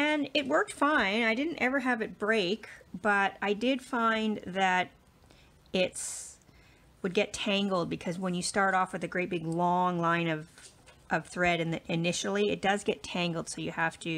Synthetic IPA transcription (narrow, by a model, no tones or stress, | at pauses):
ɨ̃nɪt̚wɜ˞k̚tfãɪ̃naɪdɪdⁿn̩tɛvə˞ɨvɨt̚b̥ɹeɪkb̥ʌɾaɪdɪd̥fãɪ̃nðɨɾ | ɪts | wəd̚ɡɛtʰæ̃ŋɡl̩ˠd̚bɨkʰʌzwə̃njɨstɑɹɾɔfwɨðɨɡɹeɪt̚b̥ɪɡlɔ̃ŋlãɪ̃nʌv̥ | ʔʌv̥θɹɛɾɨ̃nðɨʔɨnɪʃl̩ˠiɨ̰t̚d̥ʌzɡɛtʰæ̃ŋɡl̩ˠd̥soʊjɨhæftʰɨ